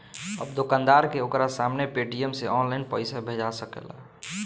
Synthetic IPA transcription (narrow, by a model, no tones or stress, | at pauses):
ə̰bd̪okãnd̪aɾkeokɾasamnepeʈijəmseʔɔnlainpəɪsabʱed͡ʒasəkɛ̰la̰